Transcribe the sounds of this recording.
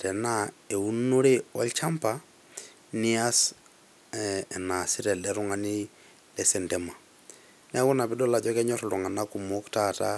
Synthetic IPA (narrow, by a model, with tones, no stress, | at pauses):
tɛ˨na˦e˨u˦no˦ɾe˦wa̰˦lt͡ʃa˦mpa˨ | ni˦a˦s | na˨si˦ɾɛ˨lɛ˨ɾu˦ŋa˦ni˦ | lɛ˦sɛ˨ntɛ˨ma˨ | nɛ˦a˦ku˦na˨bi˦ɗɔ˦la˨d͡ʒɔ˦kɛ˦ɲɔ˦ɾɔlu˨ŋa˨na˦ku˨mo˦ktata̰